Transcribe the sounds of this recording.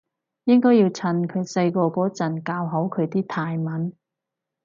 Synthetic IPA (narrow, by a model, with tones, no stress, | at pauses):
jɪ˥ŋkɔː˥jiː˧wt͡sʰɐ˧nkʰɵ˨˧ɥsɐ˧jkɔː˧kɔː˨˥t͡sɐ˨˩nkaː˧wɦɐ˨˥wkʰɵ˨˧ɥt̪iː˥t̪ʰaː˧jmɐ˨˥n